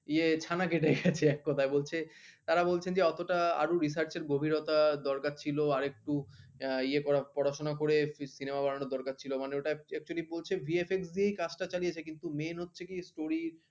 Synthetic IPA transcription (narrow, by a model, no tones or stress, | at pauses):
iet͡ɕʰanakeʈ̬eɡɛt͡ɕʰeɛkːɔt̪ʰaebolt͡ɕʰet̪aɾabolt͡ɕʰend͡ʑeɔt̪oʈaa̰ɾuɾisaɾt͡ɕeɾɡobʱiɾot̪ad̪ɔɾkat͡ɕʰiloaɾek̚ʈu | iekɔɾapɔɾaʃonakoɾefsinemabaɽanoɾd̪ɔɾkaɾ̚t͡ɕʰilomaneoʈaɛk̚t͡ɕualibolt͡ɕʰebʱiefeksd̪iejkad͡ʑʈat͡ɕaliet͡ɕʰekint̪umenɦotːɕʰekisʈoɾiɾ